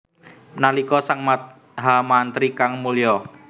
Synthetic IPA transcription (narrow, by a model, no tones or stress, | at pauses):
nalikɔsaŋmat̪̚ | ɦamant̪ɾikaŋmulijɔ